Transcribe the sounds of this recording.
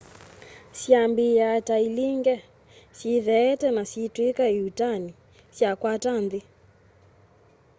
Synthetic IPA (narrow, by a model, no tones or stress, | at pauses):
siambijatailiŋɡɛ | siðɛːtɛnasitwikaiutani | sjakwatandi